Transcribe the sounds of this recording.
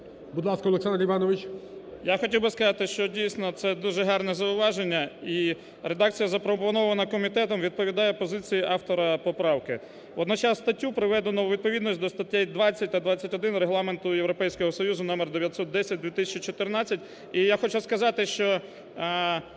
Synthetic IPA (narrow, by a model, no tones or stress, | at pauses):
bʊd̪lˠɑskɐɔlˠeksand̪ɾliʋɑnɔʋɪt͡ʃjaxɔtʲiwbɪskɐzɑt̪ɪʃt͡ʃɔdʲijsnɔt̪sɛd̪uʒɛɦɑrnɛzɐʊʋɑʒenʲːɐi | ɾed̪ɑk̚t͡sʲijɐzɐpɾɔpɔnɔʋɐnɐkɔmʲit̪ɛt̪ɔmʋʲid̪̚pɔʋʲid̪ɑjɛpɔzɪt͡sʲijiʔɑft̪ɔɾɐpɔpɾɑwkɪ | ɔd̪nɔt͡ʃɑsst̪ɐtʲːupɾɪʋɛd̪enɔʋʲid̪̚pɔʋʲid̪nɔsʲtʲd̪ɔst̪ɐtʲːɛjd̪ʋɑt͡sʲːɐt̚ʲt̪ɐd̪ʋat͡sʲːɐtʲɔd̪ɪnreɦlˠɑment̪ʊjeʋɾɔpɛjsʲkɔɦɔsɔjuzʊnɔmerd̪eʋʲjɐt̪sɔt̪̚d̪ɛsʲɐt̚ʲd̪ʲʋʲit̪ɪsʲɐt͡ʃit͡ʃɔt̪ɪrnɑt͡sʲːɐtʲ | ijaxɔt͡ʃʊskɐzɑt̪ɪʃt͡ʃɔ